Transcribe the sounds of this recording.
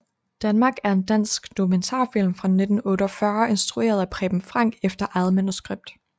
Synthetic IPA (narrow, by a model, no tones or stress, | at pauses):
d̥ænmɑ̈ːɡ̥æɐe̝nd̥æn̰sɡ̥d̥o̝kʰument͡sʰɑ̰̈fil̰mfʁɑ̈ne̝d̥n̩ɔ̽ːɾəɒ̽fɶɐʔe̝nsd̥ʁue̝̰ːɐð̞ˠæpʰʁɛ̰ːb̥m̩fʁɑ̈ŋ̰ɡ̥efd̥ɐʔæð̩ˠmænusɡ̥ʁeb̥̚d̥